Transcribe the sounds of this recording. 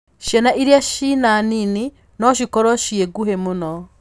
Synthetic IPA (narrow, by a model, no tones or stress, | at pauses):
ʃɛnaʔiɾiaʃinanini | nɔʃ̬ikɔɾɔʃieɡuhɛmunɔ